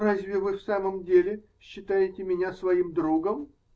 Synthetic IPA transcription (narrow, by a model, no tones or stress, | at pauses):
razʲvʲɪvɨfsaməmdʲelʲɪ | ɕːɪt̪ajɪtʲɪmʲɪnʲasvɐimd̪ɾuɡəm